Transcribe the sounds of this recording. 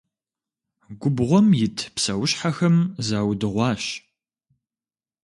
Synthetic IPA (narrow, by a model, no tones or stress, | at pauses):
ɡʷʊbʁʷɔmjɪtʰpsɐwɕħaxɐmzaːwdɨʁʷɑːɕ